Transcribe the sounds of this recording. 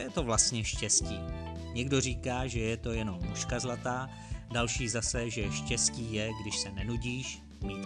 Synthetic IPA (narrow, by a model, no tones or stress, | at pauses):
jɛt̪o̞vlast̪ɲɛʃcɛsciː | ɲɛɡdo̞r̝iːkaːʒɛjɛt̪o̞jɛno̞mːuʃkazlat̪aː | dalʃiːzasɛʒɛʃcɛsciːjɛɡdɪʃsɛnɛnuɟiːʃ | miːt̪